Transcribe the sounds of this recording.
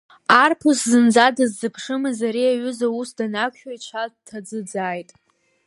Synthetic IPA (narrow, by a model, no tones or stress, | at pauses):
arpʰʊszɨnd͡zadazːɨpʰʂɨmɨzaɾiaɥʏzausdanakʷʰʼʃᶣait͡ʃʷʰad̚tʰad͡zɨd͡zaːjtʼ